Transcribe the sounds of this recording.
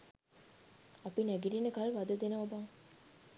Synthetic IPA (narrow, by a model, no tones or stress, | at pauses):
ɐpinæɡiɖinəkalʋad̪əd̪enəʋabaŋ